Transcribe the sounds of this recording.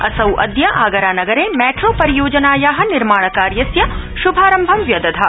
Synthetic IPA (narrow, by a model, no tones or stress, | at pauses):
ɐsɐwʔɐ̰d̪jɐʔaːɡɐɾaːnɐɡɐɾeːmɛːʈɾoːpɐɾijoːd͡ʒɐnaːjaːɦɐ̆niɾmaːɳ̃ɐkaːɾjɐsjɐ | ʃubʱaːɾɐmbʱɐmʋjɐd̪ɐd̪ʱɐ